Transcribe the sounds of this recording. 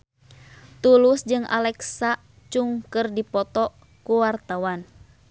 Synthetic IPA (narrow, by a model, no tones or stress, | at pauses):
t̪ulusd͡ʒɨŋʔa̰lɛksa | t͡ʃuŋkɨrdipɔt̪ɔ | kuwart̪awan